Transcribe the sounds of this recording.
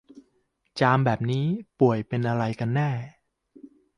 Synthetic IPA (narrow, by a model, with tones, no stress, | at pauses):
t͡ɕaː˧mbɛː˨˩p̚niː˦˥pu˨˩əjpe˧nʔa˧ɾa˧jka˧nːɛː˥˩